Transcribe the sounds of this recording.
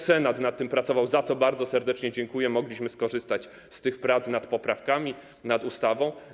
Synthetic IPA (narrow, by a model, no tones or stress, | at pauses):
sɛnat̪nat̪ːɘmpɾat̪sɔvawzat̪sɔbaɾd̪zɔsɛɾd̪ɛt͡ʂɲɛd͡ʑɛŋkujɛmɔɡlʲiɕmɘskɔʐɘst̪at͡ɕ | st̪ɘxpɾat̪snat̪pɔpɾafkamʲi | nad̪ust̪avɔ̃w̃